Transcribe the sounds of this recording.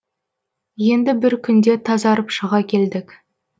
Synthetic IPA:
je̞nd̪ɪbɪɾkʲʰʏnd̪e̞t̪ʰɑzɑɾəpʃəʁɑkʲʰe̞ld̪ɪkʲ

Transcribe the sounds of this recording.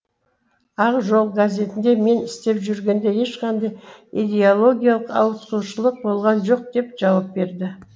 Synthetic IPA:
ɑqʒo̞lˠɡaze̞t̪ɪnd̪e̞me̞nɪst̪e̞pʒʏɾɡʲe̞nd̪e̞je̞ʃqɑnd̪ɑjijd̪ʲe̞olˠo̞ɡʲijalˠəqɑ̰wəssuʃəlˠəq̚bo̞lˠʁɑnʒo̞q̚d̪̥e̞pʒ̥ɑwɑp̚be̞ɾd̪ɪ

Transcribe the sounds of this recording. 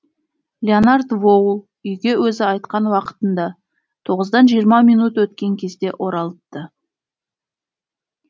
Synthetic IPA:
lʲeonard̪vo̞w | ʏjɡʲe̞wɵzɪɑjt̪̚qɑnwɑqə̥t̪ənd̪ɑ | t̪ʰo̞ʁəzd̪ɑnʒijəɾmɑmijnut̪wɵt̪kʲe̞ŋkʲʰe̞zd̪e̞ʔo̞ɾɑlˠəp̚t̪ːə

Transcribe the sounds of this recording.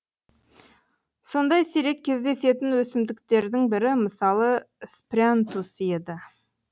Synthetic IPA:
so̞nd̪ɑjseɾe̞kʲʰːe̞zd̪e̞se̞t̪ɪnwɵsɪmd̪ɪk̚t̪e̞ɾd̪ɪŋbɪɾɪməsɑlˠə | sprʲant̪usje̞d̪ɪ

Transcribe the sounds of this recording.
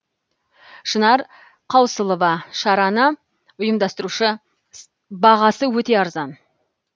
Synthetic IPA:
ʃənɑɾ | qʰɑwsəlˠəvɑʃɑɾɑnə | ʊjəmd̪ɑst̪əɾuʃə | bɑʁɑsəwɵt̪e̞ɑɾzɑn

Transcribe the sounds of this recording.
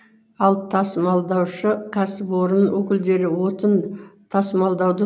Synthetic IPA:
ɑlˠt̪ʰɑsmɑlˠd̪ɑwʃəkʲʰɑsɪpwo̞ɾənwɵkʲɪld̪e̞ɾɪwo̞t̪ənt̪ʰɑsmɑlˠd̪ɑwd̪ə

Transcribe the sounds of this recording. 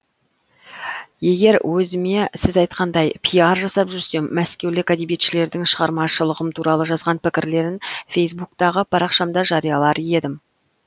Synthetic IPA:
je̞ɡʲe̞ɾwʔɵzɪme̞sɪzɑjt̪̚qʰɑnd̪ɑjpʰijaɾʒɑsɑpʒʏɾse̞mːæskʲe̞wlɪkæd̪ebjet̪ʃɪle̞ɾd̪ɪŋʃəʁɑɾmɑʃəlˠəʁəmt̪ʰuɾɑlˠəʒɑzʁɑnpɪkʲɪɾle̞ɾɪnfe̞js̬buk̚t̪ɑʁəpʰɑɾɑqʃɑmd̪ɑʒɑɾijɑlˠɑɾje̞d̪ɪm

